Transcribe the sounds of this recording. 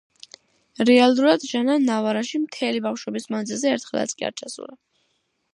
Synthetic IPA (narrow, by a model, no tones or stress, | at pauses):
ɾɛalˠuɾad̪̥ʒananavaɾaʃimt̪ʰɛlibafʃwɛbismand̪zilˠzɛːɾt̪ʰχɛlˠa̰t̪sʰkʼḭa̰ɾt͡ʃʰasṵɾa